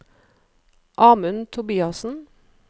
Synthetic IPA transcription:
ʔɑːmʉnt̪ʰʊbiːɑsn̩

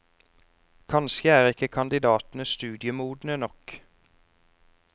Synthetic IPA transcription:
kʰɑnskəæːʁɪkəkʰɑnd̪ɪd̪ɑːt̪n̩əst̪ʉːd̪ɪəmuːd̪n̩ənɔk

